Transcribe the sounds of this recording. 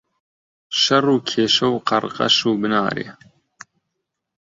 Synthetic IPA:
ʃɐruːkʰeːʃɐwqɐɾqɐ̰ʃuːbɨnaːɾḛː

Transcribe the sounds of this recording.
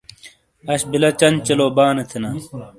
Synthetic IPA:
ɐɕbilɐt͡ɕɐnt͡ɕɐloːbaːnet̪ʰinaː

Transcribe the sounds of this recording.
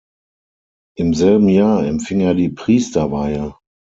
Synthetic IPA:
ʔɪmzɛlbm̩jaːɐɛmfɪŋeːɐdiːpʁ̥iːstɐvaɪə

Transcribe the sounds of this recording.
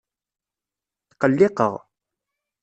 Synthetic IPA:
θqəlːɪqə̰ʁ

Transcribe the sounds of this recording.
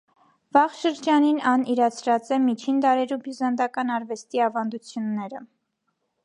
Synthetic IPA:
vɑʁʃəɾd͡ʒɑninɑniɾɑt͡sʰɾɑt͡sɛmit͡ʃʰind̪ɑɾɛɾubizɑnd̪ɑkɑnɑɾvɛst̪iɑvɑnd̪ut͡sʰjunːɛɾə

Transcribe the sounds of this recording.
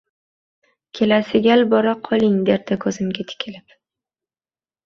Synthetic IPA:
kʲʰe̞lasɪɡʲalbɒɾaqʰɒlɪŋd̪e̞ɾd̪akʰɵzɪmɡʲat̪ʰɪ̥kʲʰɪlɪp

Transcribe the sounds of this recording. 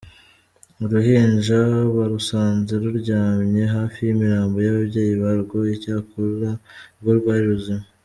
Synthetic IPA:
muɾuhiːnʒaβaɾusaːnzeɾuɾɟaːmɲe̞ɦaːfijimiɾaːmbo̞jaβabɟe̞ːjiβaɾɡo̞icaːkoɾɾaβuɾɡaːɾiɾuzima

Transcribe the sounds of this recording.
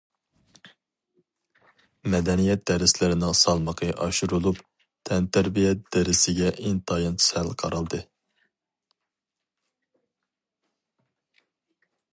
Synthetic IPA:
mɛd̪ɛnijɛt̪̚d̪ɛɾɪslɪɾɪnɪŋsɑlˠməqʰəʔɑʃuɾulˠup | t̪ʰɛnt̪æɾbijɛt̪̚d̪̥ɛɾɪsɪɡʲɛʔiŋt̪ʰɑjɑnt͡ʃʰsælqʰɑ̰ɾɑlˠd̪ɨ

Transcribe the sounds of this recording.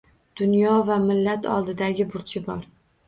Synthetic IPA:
d̪̥ʊnjɒvamɪlːat̪ʰɒ̰lˠd̪ɪd̪aɡʲɪbʊɾt͡ʃʰɪbɒɾ

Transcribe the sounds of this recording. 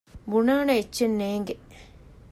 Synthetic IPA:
bunaːnɐet͡ʃːenːeːŋɡe

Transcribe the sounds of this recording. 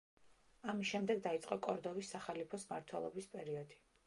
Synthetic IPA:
amisʃɛmd̪ɛɡd̪ait̪sʼqʼɔkʼɔɾd̪ɔvisːaχalipʰɔsmaɾt̪ʰwɛlˠɔ̰bispʼɛɾiɔd̪i̥

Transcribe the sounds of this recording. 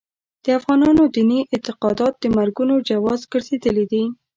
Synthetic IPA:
d̪̥əafɣɑnɑnod̪iniʔɪnt̪ɪqɑd̪ɑt̪̚d̪əmaɾɡunod͡ʒawɑzɡəɾzed̪əlid̪i

